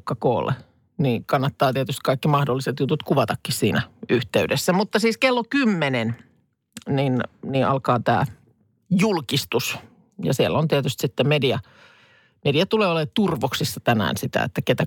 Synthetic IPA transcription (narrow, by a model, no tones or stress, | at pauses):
kːɑko̰ːlːḛ | niːkɑnːɑt̪ːɑːt̪iet̪yst̪kɑikːimɑhdolːiset̪jut̪ut̪kuʋɑt̪ɑkːissiːnæyht̪eydesːæmut̪ːɑsiːskelːokymːenen | ninniːʔɑ̰lkɑːt̪æ̰ː | julkist̪us | jɑ̰sielːont̪iet̪yst̪sit̪ːemediɑ | mediɑt̪uleːolet̪urʋoksisːɑt̪ænæ̰ːnsit̪æ̰ḛt̪ːæket̪æ